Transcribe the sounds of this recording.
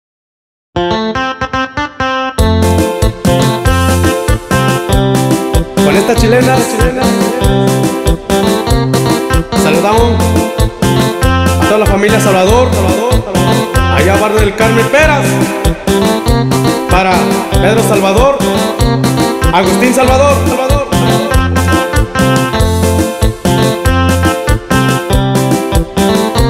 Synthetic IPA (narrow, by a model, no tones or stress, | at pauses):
kwalest̪at͡ʃilenalat͡ʃilena | saluðaoŋ | at̪oðalafamiljasalβaðoɾsalaoɾ | a̰jaβaɾnoðelkaɾmempeɾas | paɾapeðɾosalβaðoɾ | aɣust̪ins̬alβaðoɾalβaðoɾaaɾ